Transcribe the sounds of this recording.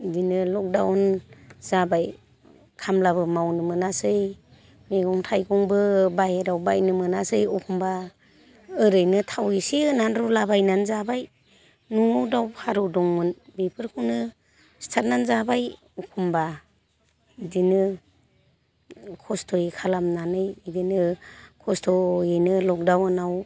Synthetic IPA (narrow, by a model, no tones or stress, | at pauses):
dinɯlɔk̚dawɔnz̥abaj | kʰamlaβɯmawnɯmɯnasɯj | meɡɔŋtʰajɡɔŋbɯbajeɾawba̰jnɯmɯnasɯjɔpʰumba | ɯɾɯjnɯtʰawisiɯnanɾulabajnanzabaj | nudawpʰaɾɯdɔŋmɯnbipʰɯɾkʰunɯ | stʰat̚nanzabaj | ɔpʰumba | idinɯ | kʰɔstʰɔjikʰalamnanɯjidinɯkʰɔstʰɔjenɯlɔk̚dawɯnaw